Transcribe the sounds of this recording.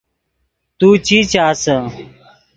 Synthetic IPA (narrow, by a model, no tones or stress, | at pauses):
t̪uːt͡ɕiːt͡ɕaːsə̃